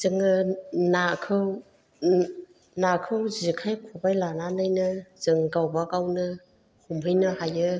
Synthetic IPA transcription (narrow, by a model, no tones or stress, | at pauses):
z̥ɯŋɯnakʰɯw | nakʰɯwzikʰajkʰubajlanalɯjnɯz̥ɯŋɡawbaɡawnɯ | humɦɯjnɯhajɯ